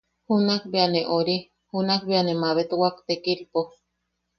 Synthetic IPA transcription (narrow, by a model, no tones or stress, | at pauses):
hunakbeaneʔoɾi | hunakbeanemaβet̪wakt̪ekiɾpo